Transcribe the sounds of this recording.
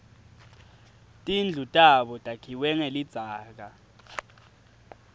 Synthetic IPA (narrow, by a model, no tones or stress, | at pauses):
tʼind͡ɮʱutʼaɓɔtʼakʰiwɛŋelid̥z̥ʱaːk̬a